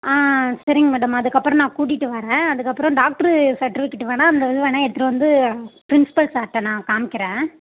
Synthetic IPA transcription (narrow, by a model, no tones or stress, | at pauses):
aːsɐɾɪŋɐmɛːɽɐmɐðɯkːɐpːɯɾɔ̃nãːkuːʈːɪʈːɯʋɐɾẽːɐðɯkːɐpːɾɔ̃ɖaːk̚ʈɐɾsɐʈːɪfɪkːɪʈːɯʋɐːnaːɐnd̪ɐʋɪðɐʋɐːnaːɛɽɯt̪ːɾɐʋɐnd̪ɯpɪɾɪnsɪ̥pɐlsaːʈːɛ̃nãːkaːmɪkːɪɾẽː